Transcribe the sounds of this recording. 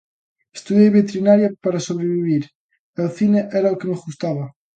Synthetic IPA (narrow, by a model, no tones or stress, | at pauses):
e̥st̪uðjejβet̪ɾinaɾjapaɾasoβɾeβiβiɾ | eoθineʔɛɾaokenozɣust̪aβa